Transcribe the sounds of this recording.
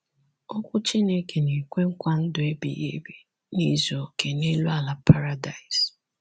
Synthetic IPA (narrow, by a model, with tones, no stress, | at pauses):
ɔ˦kʷʊ˦t͡ʃi˦ne˦kʰe˨ne˨kʷe˦ŋ̩˦kʷa˦n̩˦dʊ˨e˦bḭ˨jḛ˦be˨ | ni˦zo˨ke˨ne˦lu˦a˨la˨pʰa˦ɾa˦da˨i˨s